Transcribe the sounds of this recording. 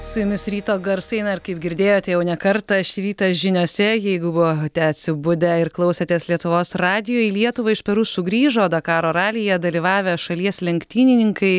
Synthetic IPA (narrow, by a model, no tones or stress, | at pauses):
sʊjʊmʲɪsɾʲiːt̪oːɡɐɾsɐɪnɐɪɾkɐɪp̚ɡʲɪɾʲd̪ʲeːjoːt̪ʲɛjɛʊnʲɛkɐɾt̪ɐʃɾʲiːt̪ɐʒʲɪnʲoːsʲɛjɛɪɡʊbʊoːt̪ʲɛɐt̪ʲsʲɪbʊd̪ʲɛɪɾklˠɐʊsʲɛt̪ʲiɛslʲiɛt̪ʊʋoːsrɑːd̪ʲɪjoːjlʲiɛt̪ʊʋɐɪʃpʲɛɾuːsʊɡɾʲiːʒoːd̪ɐkɑːɾoːɾɑːlʲɪjɛd̪ɐlʲiːʋɑːʋʲɛʃɐlʲiɛslʲɛŋkt̪ʲiːnʲɪnʲɪŋkɐɪ